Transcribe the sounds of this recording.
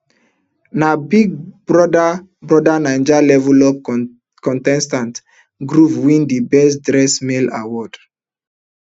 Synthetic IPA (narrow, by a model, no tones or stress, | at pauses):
nabiɡ̚bɾɔda | bɾɔdanãj̃nd͡ʒalɛvulɔb̚ | kɔ̃ntɛ̃nstãnt | ɡɾuvwĩndibɛsdɾɛsmelawɔd̥